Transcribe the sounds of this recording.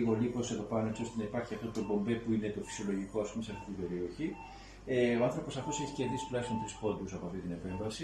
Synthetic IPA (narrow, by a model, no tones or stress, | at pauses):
iɣo̞lipo̞seðo̞pɐnoet͡sio̞st̪e̞nɐipɐɾçiɐft̪o̞t̪o̞bo̞mbe̞puine̞t̪o̞fi̥sijo̞lo̞ʝiko̞ɐspume̞seɐft̪it̪ibe̞ɾio̞çi | eoɐnθɾopo̞sɐft̪o̞seçi̥ce̞ɾðisi̥t̪lɐsst̪ont̪ɾispo̞nd̪usɐpoɐft̪it̪ine̞pe̞ɱvɐsi